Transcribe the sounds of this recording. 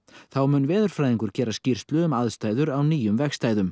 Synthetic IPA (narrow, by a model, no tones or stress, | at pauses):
θawmʏːnvɛːðʏɾ̥fɾajðiŋkʏɾ̥cɛːɾascir̥st̪lʏʏmaðst̪aːjðʏɾawniːjʏmvɛxst̪aːjðʏm